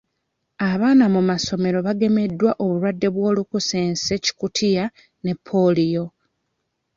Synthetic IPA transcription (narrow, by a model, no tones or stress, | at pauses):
aβaːnamumaso̞me̞ɾo̞βaɡe̞me̞dːwaʔoβuɾwadːe̞βwo̞ːlukuse̞ːnse̞ci̥kutʰija | ne̞pʰːo̞lijo̞